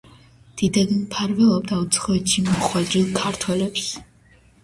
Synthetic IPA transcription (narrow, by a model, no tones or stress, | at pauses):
d̪̥id̪ad̪anpʰaɾvɛlˠɔbd̪aut̪sʰχɔɛt̪ʃimɔχwɛd̪ɾilˠkʰaɾt̪ʰwɛlɛps